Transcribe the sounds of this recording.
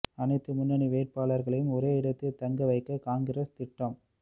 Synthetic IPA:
ɐnɐɪt̪ːɯmʊnːɐɳiʋeːʈ̚paːɭɐɾɣɐɭɐjɯmɔɾeːɪɽɐt̪ːɯt̪ːɐŋɡɐʋɐɪkːɐkaːŋɡɪrɐst̪ɪʈːɐm

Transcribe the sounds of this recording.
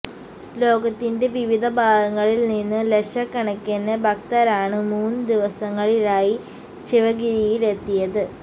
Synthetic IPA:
lo̞ːɡɐt̪ːinde̞ʋiʋid̪ʱɐbʱaːɡɐŋːɐɭilninːɨleʂɐkːɐɳɐkːenːebʱɐkt̪ɐɾaːɳɨmuːnːɨd̪iʋɐsɐŋːɐɭilaːji | ɕiʋɐɡiɾijilet̪ːijɐðɨ

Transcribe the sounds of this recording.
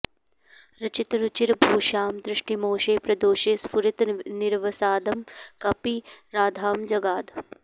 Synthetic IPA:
ɾɐt͡ʃit̪ɾut͡ʃiɾbʱuːʃaːmd̪ɾɪʂʈimoːʃeːpɾɐd̪oːʃeːspuɾit̪niɾʋɐsaːd̪ɐmkɐpiɾaːd̪ʱaːmd͡ʒɐɡaːd̪

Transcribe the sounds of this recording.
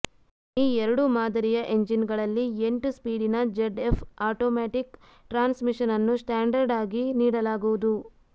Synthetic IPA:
iːɛɾɐɽumaːd̪ɐɾijɐʔe̞ɲd͡ʒinɡɐɭɐlːieɳʈuspiːɽinɐd͡ʒeɖepʰaːʈoːmaːʈik | ʈɾaːnsmiʂɐnɐnːusʈaːɳɖɐɾɖaːɡiniːɽɐlaːɡuʋud̪u

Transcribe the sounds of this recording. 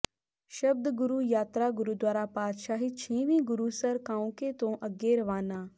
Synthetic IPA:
ʃɐb̚d̪ɡʊɾuːjaːt̪ɾaɡʊɾuːd̪waːɾapaːd̪ʃaːɦit͡ʃʰĩːʋĩːɡʊɾuːsɐɾkãːũket̪õːʔɐɡeɾɐʋaːnaː

